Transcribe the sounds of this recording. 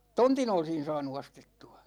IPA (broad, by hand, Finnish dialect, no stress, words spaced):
tontin olsin̞ sɑːnu ostetːuɑ